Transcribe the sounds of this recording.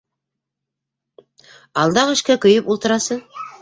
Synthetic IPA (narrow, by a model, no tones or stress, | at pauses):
ɑlˠd̪ɑʁɘ̆ʃkækɵ̆jɤpulˠt̪ɤ̆ɾɑsɤɴ